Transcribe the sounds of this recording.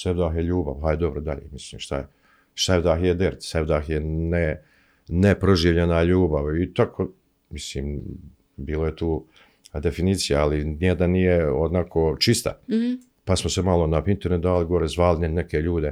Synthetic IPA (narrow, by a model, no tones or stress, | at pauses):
sevd̪aːɦjeʎuːba̰ʋɦajed̪o̞bɾod̪aʎḛːmisliːmʃt̪a̰je | ʃt̪ad̪aːxjed̪eɾt̪sebd̪aːxjene | nepɾoʒiːʋʎenaʎuːbaʋit̪akʰo | misliːm | biːlojet̪uː | d̪e̞finiːt̪sijaalinjed̪annijeod̪nakʰoːt͡ʃist̪a̰ | pasmosemalˠo̞nafint̪eɾnet̪d̪aːliɡo̞ɾezʋaːlinnekeʎuːd̪e̞